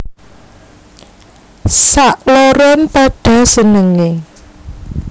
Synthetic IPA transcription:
saʔloɾɔmpaɖ̥a̤sənəŋe

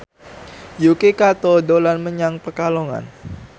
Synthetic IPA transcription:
jukekat̪ɔdolanməɲaŋpərkaloŋa̰n

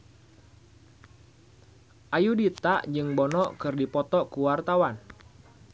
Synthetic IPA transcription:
ʔajudit̪aʔd͡ʒɨŋbɔnɔkɨrdipɔt̪ɔkuwart̪awan

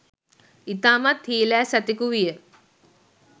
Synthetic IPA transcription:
it̪aːmat̪hiːlæːsat̪ikuʋijə

